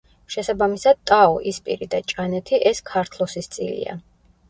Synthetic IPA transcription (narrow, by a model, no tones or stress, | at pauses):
ʃɛsabamisad̪̚t̪ʼaɔʔispʼḭɾid̪at͡ʃʼanɛt̪ʰiʔɛskʰaɾt̪ʰlˠɔsist̪sʼḭlḭa̰